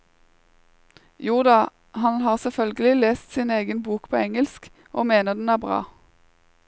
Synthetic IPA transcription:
juːd̪ɑ | hɑnhɑːʁsɛfœlɡəlɪleːst̪sɪneːɡənbuːkpʰoːɛŋəlsk | ʔoːmeːnəʁd̪n̩æːʁbʁɑ̰ː

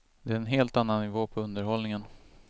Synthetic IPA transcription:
d̪ɛæɾɛnɦeːlt̪anːanːɪvoːpʰɔɵnd̪əɾhɔlnɪŋən

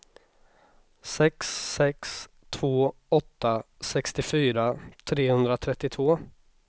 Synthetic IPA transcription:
sɛksːɛks | t̪ʰv̥oːɔt̪ːa | sɛkst̪ɪfyːɾat̪ʰɾeːhɵnd̪ɾat̪ʰɾɛt̪ːɪt̪ʰvoː

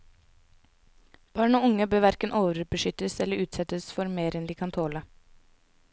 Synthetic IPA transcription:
b̥ɑːɳoːʊŋəbøːʋæɾkənʔoːʋəɾbəʃʏt̪əsɛləʔʉːt̪sɛt̪əsfɔɾmeːɾɛnd̪iːkʰɑnt̪ʰoːlə

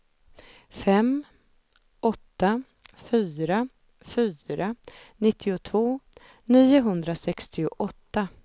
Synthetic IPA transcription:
fɛm | ɔt̪ːa | fyːɾa | fyːɾanɪt̪ʰːɪʊt̪ʰvoː | niːʊɦɵnd̪ɾasɛkst̪ɪʊ̰ʔɔt̪ːa

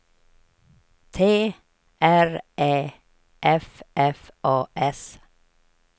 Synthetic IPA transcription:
t̪ʰeː | ʔæɹʔeː | ʔɛfʔɛfʔɑːʔɛs

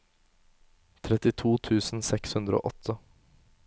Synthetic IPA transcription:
t̪ʰɾɛt̪ɪt̪ʰuːt̪ʰʉːsn̩sɛkshʉnd̪ɾəo̰ːʔɔt̪ʰə

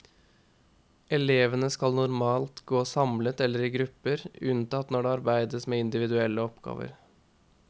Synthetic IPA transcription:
ɛleːʋənəskɑlnʊɾmɑːlt̪ɡoːsɑmlət̪ɛlːəɾiːɡɾʉpːəɾʉnt̪ɑt̪nɔɖeːɑɾbæɪd̪əsmeːɪnd̪ɪʋɪd̪ʉɛlːəɔpɡɑ̰ːʋə̰ɾ

